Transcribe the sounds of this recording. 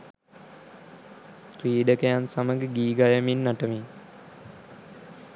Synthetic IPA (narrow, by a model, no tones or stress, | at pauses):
ɾiːɖəkəjansaməɡəɡiːɡajəminːaʈəmin